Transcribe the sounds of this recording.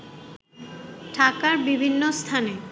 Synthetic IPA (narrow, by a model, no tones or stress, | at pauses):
ʈʰakaɾbibʱinːost̪ʰane